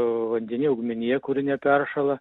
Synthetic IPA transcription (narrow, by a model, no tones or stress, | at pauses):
ʋɐnʲd̪ʲɛnʲiɛʊɡmʲɪnʲijɛkʊɾʲɪnʲɛpʲɛrʃɐlˠɐ